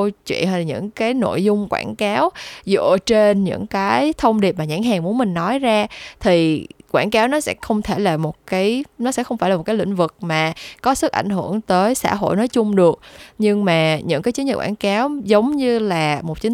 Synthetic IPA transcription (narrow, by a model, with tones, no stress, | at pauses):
t͡ɕwḭ˧˨ənha˧lːɲɨ̰˧˥ŋkaː˨˦jno̰˧˨jzʊ˧ŋ͡mkwa̰ː˧˩nkaː˨˦wzɨ̰˧˨ət͡ɕe˧nɲɨ̰˧˥ŋkaː˨˦jt̪ʰə˧wŋ͡mɗi˨˩əp̚maː˨˩ɲaː˧˩ŋɦaː˨˩ŋmu˨˦ənmï˨˩ŋ̟nɔ˨˦jzaː˧t̪ʰi˨˩kwaː˧˩nkaː˨˦wnɔ˨˦sɛ̰˧˥xə˧wŋ͡mt̪ʰe˧˩jlaː˨˩mo˨˩t̚kaː˨˦jnɔ˨˦sɛ̰˧˥xə˧wŋ͡mfaː˧˩laː˨˩o˨˩t̚kːjlḭ̈˧˨ŋ̟vɨ˨˩k̚maː˨˩kɔ˨˦sɨ˦˥ʔa˧˩jŋ̟hɨ˧˩əŋt̪əː˨˦jsa̰ː˧˥ɦo̰˧˨jnɔ˨˦jt͡ɕʊ˧ŋ͡mɗɨ˨˩ək̚ɲɨ˧ŋmaː˨˩ɲɨ̰˧˥ŋkaː˨˦jt͡ɕɨ˨˦ɲə˨˩t̚kwaː˧˥˩nkaː˨˦wzə˨˦wŋ͡mɲɨ˧laː˨˩mo˨˩t̚t͡ɕi˨˦